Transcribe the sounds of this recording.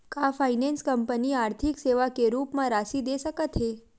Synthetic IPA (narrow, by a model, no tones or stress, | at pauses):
kafainenskəmpəniaɾt̪ʰikseʋakeɾupmãɾasid̪esəkət̪ʰɦe